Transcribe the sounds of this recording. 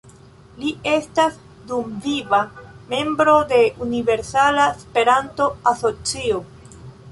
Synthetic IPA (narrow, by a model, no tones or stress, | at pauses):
lie̞stas | dumvivame̞mbɾo̞de̞ʔunive̞ɾsalaspe̞ɾanto̞aso̞t͡sio